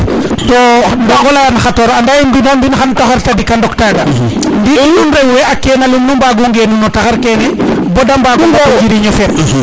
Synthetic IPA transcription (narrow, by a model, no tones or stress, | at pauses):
tɔndaɡɔlanxatɔɾandajimbinambinxantaxɔɾtadikandɔktaːɡa | ndinunɾɛɡwɛakːɛnalimnumbaɡuŋɡɛnunɔtaxaɾkɛnɛ | bɔdambaɡuŋbɔd͡ʒiɾiɲɔfɛɾ